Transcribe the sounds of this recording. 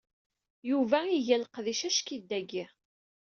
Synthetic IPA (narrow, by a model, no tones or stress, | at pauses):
juvæiʝælqðiʃæʃkid̪ːæɡi